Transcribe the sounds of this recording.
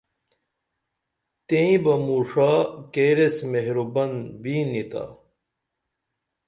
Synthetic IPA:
t̪ẽĩbɐmuːʂaːkeːɾesmeɦɾubɐnbiːnit̪a̰

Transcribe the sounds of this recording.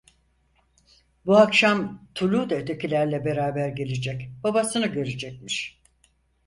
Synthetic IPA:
buakʃamt̪ʰulʲud̪aøt̪ʰecʰilʲæɾlʲɛbe̞ɾaːbæɾɟe̞lʲed͡ʒɛcbabasɯnɯɟø̞ɾed͡ʒɛc̚miʃ

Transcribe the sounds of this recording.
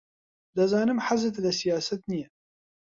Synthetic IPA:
lazaːnəmħazət̪lasɪjaːsat̪nija

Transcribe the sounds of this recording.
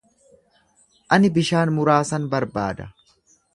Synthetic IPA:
ʔɐnɪbɪʃaːnmʊɾaːsɐnbɐɾba̰ːd̪ɐ

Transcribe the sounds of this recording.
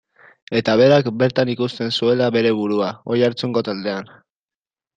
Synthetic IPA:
e̞t̪aβ̞e̞ɾakbe̞ɾt̪anikust̪e̞nsue̞laβe̞ɾe̞βuɾuao̞jaɾt͡suŋɡo̞t̪ald̪e̞an

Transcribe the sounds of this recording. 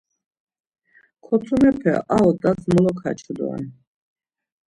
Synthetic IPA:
kʰɔsʰumɛpʰɛ̰ʔaɔt̪ʼasmɔlɔkʰa̰t͡ʃʰɔd̪ɔ̰a̰n

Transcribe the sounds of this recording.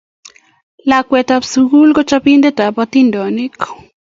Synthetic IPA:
lakwɛt̪apsuɡulɡɔt͡ʃapind̪ɛt̪apat̪indɔnik

